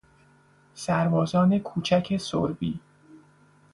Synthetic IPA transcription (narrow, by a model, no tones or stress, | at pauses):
sæɾbɒːzɒːne̞kʰuːt͡ʃʰæcʰe̞so̰ɾbiː